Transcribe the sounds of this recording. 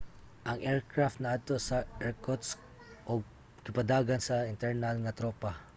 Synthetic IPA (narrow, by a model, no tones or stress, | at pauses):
ʔɐŋʔɛɹkɹaft̪̚nɐʔad̪̚t̪o̞sɐʔɛɹkot̪s | ʔoɡ̚ | kɪpɐd̪aːɡɐnsɐɪnt̪ɛɹnɐlŋɐt̪ɾoːpa